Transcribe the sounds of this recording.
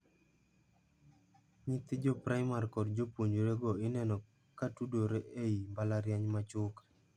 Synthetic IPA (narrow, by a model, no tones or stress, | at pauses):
ɲɪt̪ɪd͡ʒɔpɾajmarkɔdd͡ʒopwoɲoɾeɡɔɪnɛnɔ | katudoɾeʔeimbalaɾjaɲmat͡ʃʊk